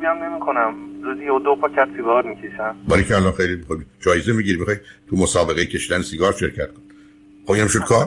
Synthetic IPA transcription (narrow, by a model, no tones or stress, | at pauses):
biæmnemikʰonæmzuzijod̪opʰɒcʰæt̪siɡɒːɾmicʰeʃænbæɾicʰeælɒnxejlimixɒjd͡ʒɒːjezemiɟiɾimixɒjt̪ʰumosɒːbe̞ɣejcʰe̞ʃiːd̪ænesiɡɒːɾʃe̞ɾcʰæt̪̚kʰonni | xobinæmʃod̪kʰɒːɾ